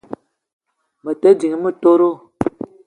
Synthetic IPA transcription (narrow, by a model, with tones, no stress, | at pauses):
mə˨te˦d͡ʒi˨ŋ˨˦mə˦to˦ɾo˦